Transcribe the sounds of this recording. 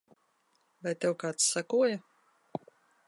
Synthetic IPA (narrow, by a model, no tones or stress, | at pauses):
vajt̪ʲewkaːt̪sːakuɔjɐ